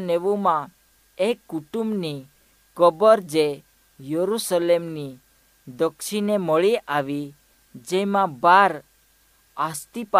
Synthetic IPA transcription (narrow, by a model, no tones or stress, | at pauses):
neʋumã | ekːuʈumbni | kəbɔɾd͡ʒe | jəɾusəlemni | d̪əkʃinemɔɭiʔaʋi | d͡ʒemãbaɾ | ast̪ipa